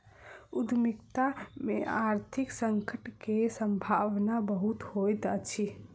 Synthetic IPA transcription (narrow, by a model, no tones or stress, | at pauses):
ud̪mikt̪amḛʔaɾt̪ʰiksəŋkəʈkesəmbʱaʋnabəɦut̪hojt̪ət͡ʃʰi